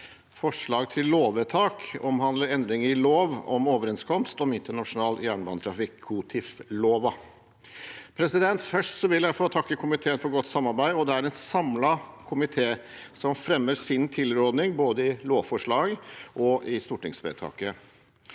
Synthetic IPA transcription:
fɔʂɭɑːɡt̪ʰɪlloːʋət̪ʰɑːkɔmhɑnd̪ləɾɛnd̪ɾɪŋəɾɪloːʋɔmoːʋəɾɛnskʰɔmst̪ɔmɪnt̪əɳɑʂʊnɑːljæːɳbɑnət̪ʰɾɑfɪkʰːut̪ʰɪfloːʋɑ | pʰɾɛsɪd̪ɛnt̪fœʂʈsɔʋɪljæɪfoːt̪ʰɑkːəkʰʊmɪt̪ʰeːənfɔɾɡɔt̪ːsɑmːɑɾbæɪɔd̪ɛæɾɛnsɑmlɑkʰʊmɪt̪ʰeː | sɔmfɾɛmːəsɪnt̪ʰɪlɾoːd̪nɪŋboːd̪əɪloːʋfɔʂɭɑːɡʔɔʔɪst̪uːʈɪŋsʋḛt̪ʰɑ̰ːkə

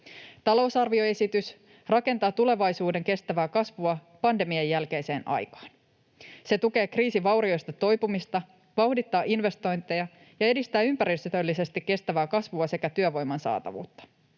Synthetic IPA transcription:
t̪ɑlo̞wsɑrʋio̞e̞sit̪ys | rɑke̞nt̪ɑːt̪ule̞ʋɑjsuːde̞ŋke̞st̪æʋæːkɑsʋuɑ | pɑnde̞miejːælke̞jse̞ːnʔɑ̰jkɑ̥ːn | se̞t̪uke̞ːkriːsiʋɑwɾio̞jst̪ɑt̪o̞jpumist̪ɑ | ʋɑwhdit̪ːɑːʔinʋe̞st̪o̞jnt̪e̞jɑ | jɑe̞dist̪æːympæɾist̪yt̪ølːise̞st̪ikːe̞st̪æʋæːkɑsʋuɑse̞kæt̪yøʋo̞jmɑnsɑ̰ːt̪ɑ̰ʋṵːt̪ːɑ̥

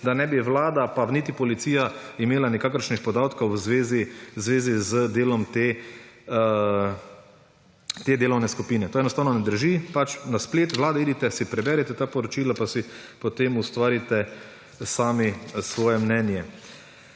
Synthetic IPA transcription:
d̪anɛbiʋlaːd̪apanit̪ipɔlit̪siːjaimeːlanɛkaːkəɾʃnixpɔd̪aːt̪kowwzʋeːzizʋeːzizəd̪eːlɔmt̪e | t̪eːd̪eːlɔwnɛskupiːnɛt̪oːɛnɔst̪aːwnɔnɛd̪əɾʒipat͡ʃnaspleːt̪ʋlaːd̪ɛiːd̪it̪ɛsipɾɛbɛːɾɛt̪ɛt̪aːpɔɾɔt͡ʃiːlapasipɔt̪eːmust̪ʋaːɾit̪ɛ | saːmisʋɔːjɛmnɛnjɛ

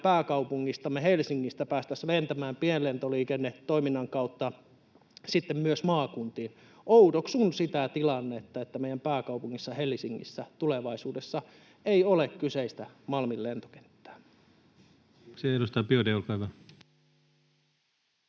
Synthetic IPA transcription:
pæːkɑupuŋːist̪ɑmːehelsiŋːist̪æpæːst̪æslent̪æmæːmpiellent̪oliːkenːettːoiminːɑŋkɑut̪ːɑ | sit̪ːemmyøsmɑːkunt̪iːn | ʔoutoksunsit̪æt̪ilɑnːet̪ːɑet̪ːæmeˑj̆ˑæmpæːkɑupuŋːisːɑhelsiŋːḭsːæt̪uleʋɑisuːdesːɑ | eiolekkyseist̪æmɑlmilːent̪o̥ke̥nt̪ːæ̥ː | seedust̪ɑːpiodeolkɑiʋæ

